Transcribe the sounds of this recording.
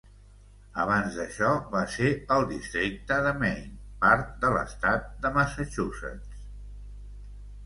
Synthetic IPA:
əβ̞anzðəʃɔβaseəlˠd̪ist̪ɾik̚t̪əðəmɛjnpaɾt̪̚d̪ələ̰st̪at̪̚d̪əməsət͡ʃusə̰t͡s

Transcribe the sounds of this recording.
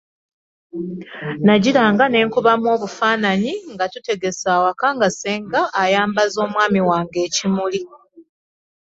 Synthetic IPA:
naɟilaːŋɡane̞ːŋkuβamwo̞ːβufaːnaɲiŋɡatute̞ɡe̞saːwakaŋɡaseːŋɡaʔːjaːmbazo̞ːmwaːmiwaːŋɡe̞ːcimuli

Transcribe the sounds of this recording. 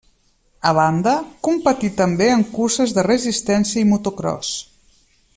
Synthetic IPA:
əβand̪əkumpət̪it̪əmbeəŋkusəzðərəzist̪ɛnsiəimut̪ukɾɔ̰s

